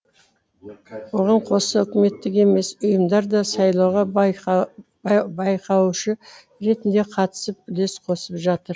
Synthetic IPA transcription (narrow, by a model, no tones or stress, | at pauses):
wo̞ʁɑɴqʰo̞səʏkʲɪme̞t̪ːɪkʲe̞me̞sʊjəmd̪ɑɾd̪ɑsɑjlˠɑwʁɑ | bɑjqʰɑwʃɪ | ɾe̞t̪ɪnd̪e̞qʰɑt̪ə̥səp̚ʏle̞sqʰo̞səpʒɑt̪əɾ